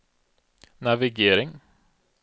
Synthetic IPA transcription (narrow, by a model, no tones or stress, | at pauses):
næʋɪɡeːɾɪŋ